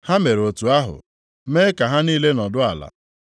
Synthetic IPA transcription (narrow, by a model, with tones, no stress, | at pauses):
ha˦me˨ɾo˨tu˨a˦ɦʊ̰˨˦ | meː˦ka˨ɦa˦niː˦le˦nɔ˨dʊ˦a˨la̰˨